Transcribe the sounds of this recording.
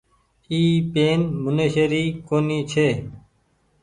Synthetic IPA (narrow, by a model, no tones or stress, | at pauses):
iːpeːnmʊnəɕəɾiːkoːniːt͡ʃʰeː